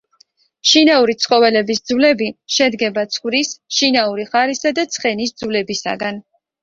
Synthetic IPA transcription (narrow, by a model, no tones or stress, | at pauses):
ʃinauɾit̪sʰχʼɔvɛlɛbisd̪zvlɛbiʃɛd̪ɡɛbat̪sʰχvɾisʃinauɾiχaɾisad̪at̪sʰχɛnisd̪zvlɛbisa̰ɡan